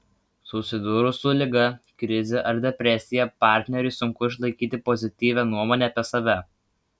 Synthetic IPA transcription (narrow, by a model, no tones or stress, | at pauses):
sʊsʲɪd̪ʊɾʊsʊlʲɪɡɐkɾʲɪzʲeʔɐɾd̪ʲɛpʲɾʲɛsʲɪjɛpɑˑɾʲt̪ʲnʲɛɾʲʊˑɪsʊŋkʊɪʃ̬lˠɐɪkʲiːt̪ʲɪpɔzʲɪt̪ʲiːʋʲɛnuɔmoːnʲɛːpʲiɛsɐʋʲɛ